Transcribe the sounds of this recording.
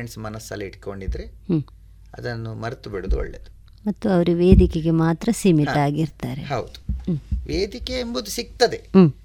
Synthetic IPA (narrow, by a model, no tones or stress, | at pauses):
ɳɖsmɐnɐsːɐlːɐiʈko̞ɳɖid̪ɾehː | ɐ̰d̪ɐnːumɐɾt̪ubiɽud̪uɔ̰ɭːḛd̪u | mɐt̪ːuɐʋɐɾuʋeːd̪ikeɡe̞maːt̪ɾɐsiːmit̪ɐaːɡiɾt̪aːɾe̞̰ɦɐwd̪u̥ʋeːd̪ikeːmbud̪usik̚t̪ɐd̪e̞ː